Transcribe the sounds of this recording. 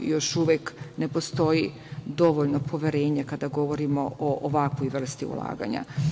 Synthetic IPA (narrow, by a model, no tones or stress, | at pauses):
jo̞ʃuʋeknepo̞st̪o̞ji | d̪o̞ʋoʎnopʰo̞ʋeɾeːɲakad̪aɡo̞ʋoɾimo̰ʔoʔoʋakʋojʋr̩st̪iṵlˠa̰ːɡa̰ɲa̰